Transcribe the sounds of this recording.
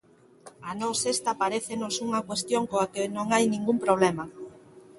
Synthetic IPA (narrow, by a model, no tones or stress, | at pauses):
anɔsest̪ɐpaɾeθenosuŋɐkwest̪joŋkoakenõŋajnĩŋɡumpɾoβ̞lemɐ